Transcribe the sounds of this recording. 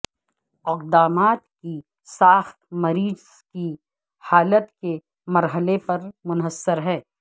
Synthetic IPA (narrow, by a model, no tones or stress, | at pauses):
ɪqd̪aːmaːt̪ki | saːxt̪mɐɾiːz | ki | haːlət̪ke | mɐɾɦəlepɐɾmʊnɦəsːəɾɦɛ̃ː